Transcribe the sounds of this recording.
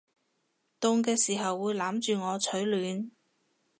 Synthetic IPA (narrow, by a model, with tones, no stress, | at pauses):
t̪ʊ˧ŋkɛː˧siː˨˩ɦɐ˨wːuː˨˧jlaː˨˥mt͡ʃyː˨˧ŋɔː˨˧t͡ʃʰɵ˨˥ɥlyː˨˧n